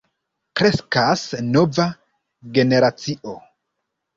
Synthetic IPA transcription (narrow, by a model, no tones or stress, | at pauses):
kɾe̞skasno̞va | ɡe̞ne̞ɾat͡siʔo̞